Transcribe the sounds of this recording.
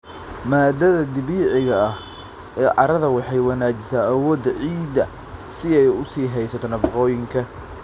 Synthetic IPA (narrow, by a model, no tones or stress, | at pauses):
maːd̪ɐðɐd̪ɪβiːʕɪɣɐɐh | ɛːʕɑ̰ɾɐðɐwɑħɑjwɑnaːt͡ʃɪsaːɐwɔːd̪ɐʕiːd̪ɐ̰ | sɪɛjʊsiːɦɛjsɐt̪ʰɔnʰɐfɑqɔːjɪŋkʰɐ